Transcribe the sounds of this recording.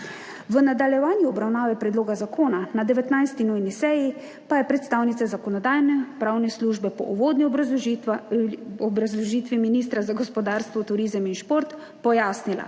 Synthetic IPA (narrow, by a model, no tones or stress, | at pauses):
ʋənad̪aljɛʋaːnjiɔbɾawnaːʋɛpɾɛd̪loːɡazakʰoːnanad̪ɛʋɛt̪najst̪inujnisɛji | pajɛpɾɛt̪st̪aːwnit̪sazakɔnɔd̪aːjnɛpɾaːwnɛsluːʒbɛpɔ̰ʔuʋoːd̪ni | ɔbɾazlɔʒiːt̪ʋiminiːst̪ɾazaɡɔspɔd̪aːɾst̪ʋɔt̪uɾiːzəminʃpoːɾt̪ | pɔjaːsnila̰